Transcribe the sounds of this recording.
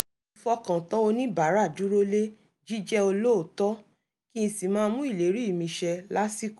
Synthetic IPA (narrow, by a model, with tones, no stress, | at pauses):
ĩ˧fɔ˦kã˨tã˦o˧nĩ˦ba˨˦ɾa˦˨du˨˦ɾo˦le˦ | d͡ʒi˦d͡ʒɛ˦o˧lo˦o˨tɔ˦ | ki˦ĩ˧si˨mãː˦˧mũ˦i˦˨le˨˦ɾi˦i˦˨mĩ˧ʃɛ˧la˦si˦ko˨